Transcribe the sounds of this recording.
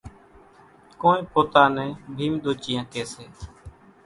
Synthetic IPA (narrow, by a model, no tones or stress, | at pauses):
koːnẽːpoːt̪aːnẽːbʱiːmɗ̪oːt͡ʃijãːkeːseː